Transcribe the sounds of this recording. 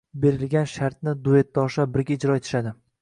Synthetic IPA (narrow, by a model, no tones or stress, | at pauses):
be̞ɾɪlɡʲanʃaɾt̪̚nɪd̪ue̞t̪̚ːɒʃabɪɾɡʲaɪd͡ʒɾɒe̞t̪ʰɪ̥ʃad̪ɪ